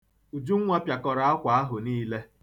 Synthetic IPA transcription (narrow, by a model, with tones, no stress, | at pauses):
u˨d͡ʒu˦ŋ̩˦ŋʷa˦pja˨kɔ˨ɾa˨a˦kʷa˨a˦ɦʊ˨niː˦le˦